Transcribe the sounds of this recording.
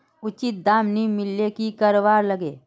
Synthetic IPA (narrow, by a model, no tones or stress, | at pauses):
ʊt͡ʃɪt̪̚d̪aːmnimɪlːekikəɾowaːɾləɡeː